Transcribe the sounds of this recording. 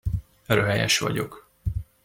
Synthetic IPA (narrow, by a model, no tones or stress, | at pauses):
røɦɛjɛʃʋɒ̰ɟo̞k